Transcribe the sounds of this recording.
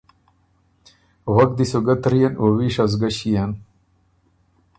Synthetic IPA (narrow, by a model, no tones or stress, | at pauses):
wɐk̚d̪isoɡɐt̪ɾijɐnowiʂɐz̬ɡɐɕijan